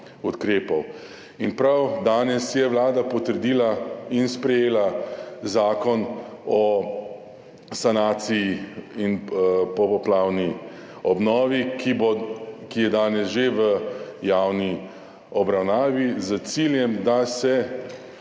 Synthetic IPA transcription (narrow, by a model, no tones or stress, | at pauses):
ut̪kɾeːpɔw | inpɾawd̪aːnɛsjɛʋlaːd̪apɔt̪əɾd̪iːlainspɾɛjeːlazaːkɔnɔ | sanaːt̪sijiinpɔpɔplaːwni | ɔbnɔːʋikibokijɛd̪aːnɛsʒeʋəjaːwni | ɔbɾawnaːʋizət̪siljɛmd̪asɛ